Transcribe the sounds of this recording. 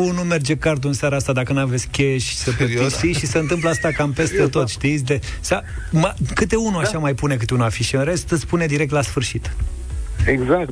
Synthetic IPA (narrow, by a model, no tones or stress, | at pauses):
unume̞rd͡ʒekart̪̬uɨnsaɾaast̪ad̪akənuavetsʲkʲkʲeʃʲsəpeisiʃiseɨnt̪ɨmp̬ləast̪akampe̞st̪e̞t̪o̞t̪ʃt̪it̪sʲd̪esa | makɨt̪e̞unuaʃamajpune̞kɨt̪eunuafiʃiɨnɾe̞st̪ɨt̪spune̞d̪iɾek̚t̪lasfɨrʃit̪ | eɡzak